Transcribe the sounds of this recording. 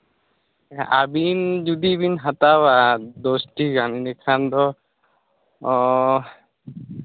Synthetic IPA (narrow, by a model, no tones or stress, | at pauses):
a̰bind͡ʒud̪ibinɦat̪awad̪osʈikaninɛkʰand̪ɔ